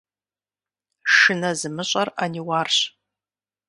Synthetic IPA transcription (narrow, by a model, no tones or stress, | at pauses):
ʂɨnɐzɨmɨɕʼɐraniwarɕ